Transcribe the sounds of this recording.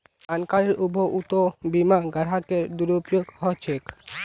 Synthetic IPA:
ankaɾeɾʔubʱoʔut̪obimaɡaɾɦakeɾd̪uɾupjoɡhɔt͡ɕʰek

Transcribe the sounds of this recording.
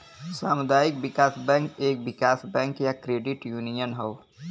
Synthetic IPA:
saːmʊd̪aːjɪk̚bɪkaːsbɛ̃ːŋkeːk̚bɪkaːsbɛ̃ːŋkjakɾeːɖɪʈjuːnijənɦoː

